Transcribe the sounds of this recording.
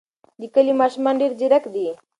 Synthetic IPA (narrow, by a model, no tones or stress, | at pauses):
d̪ikəlimaʃmaɳɖiɾd͡ʒiɾəkd̪i